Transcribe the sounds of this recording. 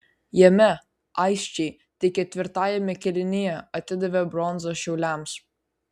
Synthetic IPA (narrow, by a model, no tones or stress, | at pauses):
jɛmʲɛ | ɑˑɪʃʲt͡ʃʲɛɪ | t̪ʲɪkʲɛt̪ʲʋʲɪɾt̪ɑːjɛmʲɛkʲɛlʲɪnʲɪjɛɐt̪ʲɪd̪ɐʋʲɛbɾɔnzoʃʲɛʊlʲæˑms